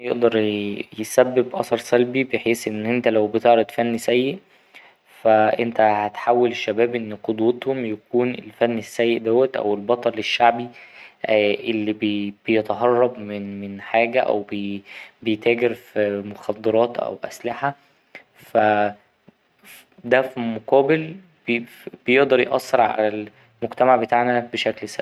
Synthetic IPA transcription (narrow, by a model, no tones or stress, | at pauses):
jeʔd̪ɑɾˤjesæbːebʔɑ̰sˤɑɾˤsælbibeħeːsʔenːʔent̪ælæwbet̪eʕɾɑd̪fænːisæjːeʔ | fæʔent̪æhæt̪ħawːæleʃːæbæːbʔenːqod̪wet̪homjækuːnelfænːesːæjːeʔd̪æwːæt̪ʔæ̰welbɑt̪ˤɑleʃːaʕbi | ʔelːibeb̥ejet̪ɦɑrˤːɑbmnmenħaːɡæʔæ̰wbebejt̪æːɡeɾfimoxɑd̪ˤːɑɾˤɑːt̪ʔæ̰wʔæ̰slɪħa | fæ | d̪æfimoqɑːbel | b | b̥ejeʔd̪ˤɑɾˤjeʔɑ̰sːeɾʕa̰læl | moɡt̪æmaʕbet̪aʕnæbeʃæklsæ̰b